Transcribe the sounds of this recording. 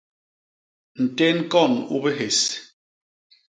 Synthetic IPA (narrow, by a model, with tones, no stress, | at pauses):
n̩˨te˦ŋ̩˦kɔ˦˨nu˦be˦ɦe˨s